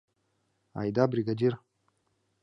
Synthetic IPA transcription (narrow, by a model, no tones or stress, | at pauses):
a̰jd̪abɾiɡadiɾ